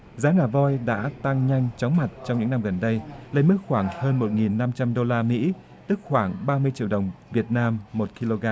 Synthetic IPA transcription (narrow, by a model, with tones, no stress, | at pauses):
zaː˨˦ŋaː˨˩vɔ˧jɗa̰ː˧˥t̪a˧ŋɲa˧jŋ̟t͡ɕɔ˨˦wŋ͡mma˨˩t̚t͡ɕɔ˧ŋ͡mɲɨ̰˧˥ŋna˧mɣə˨˩nɗə˧jlə˧jmɨ˦˥k̚xwaː˧˩ŋhəː˧nmo˨˩t̚ŋi˨˩nːa˧mt͡ɕa˧mɗo˧laː˧mḭ˧˥ | t̪ɨ˦˥k̚xwaː˧˩ŋɓaː˧mɨ˧əjt͡ɕi˧˩əwɗə˨˩wŋ͡mvi˨˩ət̚naː˧mːo˨˩t̚ki˧lo˧ɣaː˧